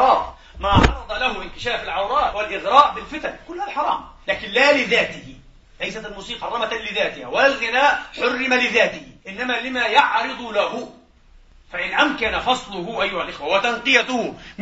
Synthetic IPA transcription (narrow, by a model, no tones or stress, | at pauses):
ɑːɾˤ | maːʕɑɾˤɑd̪ˤɑlahʊʔɪnkɪʃaːfɪlʕawɾˤɑːʔwɪlʔɪɣɾɑːʔbɪlfɪt̪ankʊlːhalħɑɾˤɑ̰ːmlaːkɪnlaːlɪðaːt̪ɪhɪ | lajsat̪almuːsiːqɑˤɑmat̪anlɪðaːt̪ɪhawalalɣɪnaːʔħʊrːɪmalɪðaːt̪ɪhʔɪnːamalɪmajaʕɾɨd̪ˤʊlahʊ | faʕɪnʕamkanafɑsˤlʊhʊʔajːʊhalʔɪxwawɪt̪anqɨjat̪ʊhʊm